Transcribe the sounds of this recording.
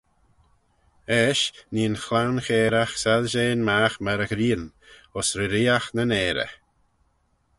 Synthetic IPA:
ɛʃniːənxlawnxeːɾaxsaðʃeːnmaːxməɾəɡɾiːən | ɔsɾəɾiːaxnənɛːɾə̰

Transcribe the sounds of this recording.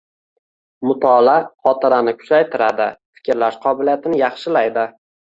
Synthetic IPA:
mʊt̪ʰɒlaχɒt̪ɪɾanɪkʰʊ̥t͡ʃʰajt̪ʰɪɾad̪ɪfɪ̥kʲɾlaʃqʰɒbɪlijat̪ʰɪnɪjɑχʃɪlajd̪ɪ

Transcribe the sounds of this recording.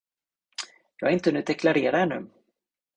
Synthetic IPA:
jɑːɡaɪnt̪ənʉ̟ːd̪ɛkʰlaɾeːɾaɛnːʉ̟̰ː

